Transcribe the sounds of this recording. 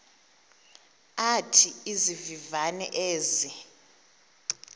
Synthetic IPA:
atʰiizivivanɛ̰ʔeːzi

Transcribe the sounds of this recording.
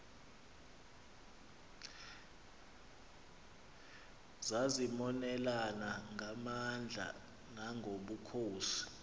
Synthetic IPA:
zazimɔnɛlanaŋʱamand͡ɮʱa̰ | ŋaŋʱoɓukʰoːsi̥

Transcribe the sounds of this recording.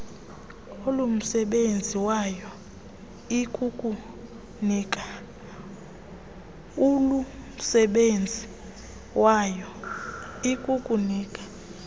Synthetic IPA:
olum̩sɛɓend͡zʱiwajɔ | ikʼukʼu | niːkʼa | ulum̩sɛɓend͡zʱi | wʔajɔ | ikʼukʼuniːkʼḁ

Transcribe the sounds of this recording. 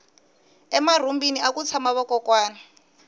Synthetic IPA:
ɛmar̤umbiniakut͡sʰamaβɔkɔkwaːna

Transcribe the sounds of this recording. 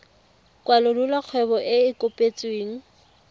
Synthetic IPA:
kʼwalʊrulak͡xʰwɛbɔʔɪɪkʼʊpʼet͡sʼweːŋ̩

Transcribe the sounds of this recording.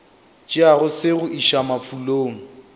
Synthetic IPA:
t͡ʃʼɪaɣʊsɪɣʊʔiʃamafuloːŋ̩

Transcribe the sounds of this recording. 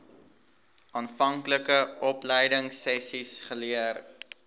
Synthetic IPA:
ʔɑːnfɐŋkləkəʔɔplɛjdəŋsɛsisχəliər

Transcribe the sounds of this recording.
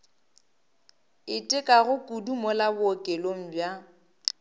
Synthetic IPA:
ɪtʼɪkʼaɣʊkʼudumɔlabʊɔkʼeloŋ̩bja

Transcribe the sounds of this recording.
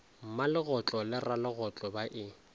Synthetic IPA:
m̩malɪɣʊt͡ɬʼɔlɪralɪɣʊt͡ɬʼɔbaʔɪ

